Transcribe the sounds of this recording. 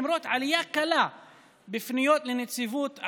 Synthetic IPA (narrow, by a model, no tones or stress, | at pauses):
mɾoːt̪ʕalɪjakala | bɪfnɪjoːt̪lɪnɪt͡sivuːt̪ʕ